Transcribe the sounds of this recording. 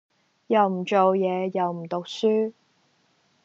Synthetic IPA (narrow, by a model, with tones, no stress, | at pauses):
jɐ˨wm̩˨˩t͡ʃo˨wjɛː˨˧jɐ˨wm̩˨˩t̪o˨k̚syː˥